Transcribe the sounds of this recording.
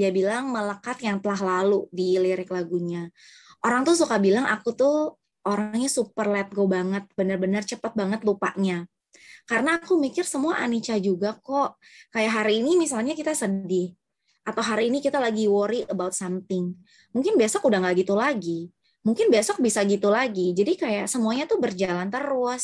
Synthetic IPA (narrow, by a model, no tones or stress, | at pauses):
diabilaŋmələkat̪jaŋt̪əlaɦlaludiliɾɪklaɡuɲa | ʔoɾaŋt̪us̬ukabilaŋa̰kut̪ʊ | ʔoɾaŋɲasupərlɛt̪̚ɡobaŋət̪̚bənərbənərt͡ʃəpət̪̚baŋət̪lupa̰ʔɲa | kaɾənaːkumikɪrsəmuaʔanit͡ʃad͡ʒuɡakɔʔ | kajaʔɦaɾiːnimis̬alɲakit̪asədɪh | ʔat̪awɦaɾiːnikit̪alaɡiwoɾiʔəbawt̪̚samt̪ɪŋ | muŋkɪnbasɔkudaŋɡaɡit̪ulaɡi | muŋkɪnbasɔk̚bisaɡit̪ulaɡid͡ʒadikajaʔsəmuaɲat̪ubərd͡ʒalant̪əɾʊs